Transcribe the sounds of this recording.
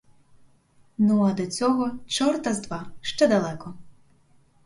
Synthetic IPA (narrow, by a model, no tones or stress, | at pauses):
nuɐd̪ɔt͡sʲɔɦɔt͡ʃɔrt̪ɐzd̪ʋaʃt͡ʃɛd̪ɐlˠɛkɔ